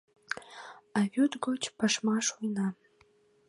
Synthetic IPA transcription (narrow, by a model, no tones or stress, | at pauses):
ɑβʲut̪ɡot͡ɕpɑʃmɑʃujnɑ